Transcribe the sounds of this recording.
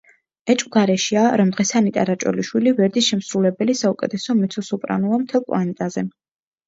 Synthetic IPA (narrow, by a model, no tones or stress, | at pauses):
ɛt͡ʃʼkʼɡaɾɛʃiaɾɔmd̪ʁɛsanit̪ʼaɾat͡ʃʼɔ̰liʃwilivɛɾd̪isʃɛmsɾulɛbɛlisaukʼɛ̰t̪ʰɛsɔmɛt̪sʰɔsupʼɾa̰nuamt̪ʰɛlˠkʼwanɛt̪ʼazɛ